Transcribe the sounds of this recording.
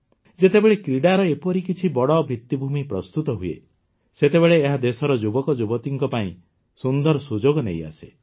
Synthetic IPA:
d͡ʒet̪ebeɭekɾiɽaɾɔepɔɾikit͡ʃʰibɔɽɔbʱit̪ːibʱumipɾɔst̪ut̪ɔɦuḛ | set̪ebeɭeːɦad̪esɔɾɔd͡ʒubɔkɔd͡ʒubɔt̪iŋkɔpaĩ | sund̪ɔɾɔsud͡ʒoɡɔneja̰se̥

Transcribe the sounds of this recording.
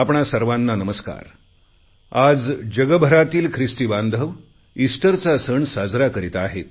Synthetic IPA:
apɳasəɾʋanːanəməska̰ɾ | ad͡zd͡ʑəɡəbʱəɾat̪iːlkʰɾist̪iband̪ʱəʋ | isʈəɾt͡sasəɳsad͡zɾakəɾit̪aɦet̪̚

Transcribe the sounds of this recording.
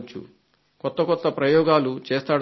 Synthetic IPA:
t͡ʃːṵ | kɔt̪ːɐkɔt̪ːɐpɾɐjɔːɡaːlut͡ʃɛːst̪aːɽ

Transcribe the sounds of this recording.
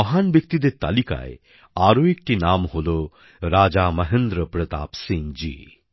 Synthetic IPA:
mɐɦanbjək̚t̪id̪et̪a̰lika̰j | aɾoek̚ʈinamɦolo | ɾaːd͡ʒamɐɦend̪ɾəpɾət̪a̰ːpsĩŋd͡ʒḭː

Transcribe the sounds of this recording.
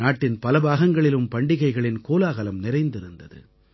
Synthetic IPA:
aːʈːɪnpɐlɐbaːɣɐŋɡɐɭɪlɯmpɐɳɖɪɣɐɪɣɐɭɪnkoːlaːɣɐlɐmnɪɾɐɪnd̪ɪɾɯnd̪ɐðɯ̰

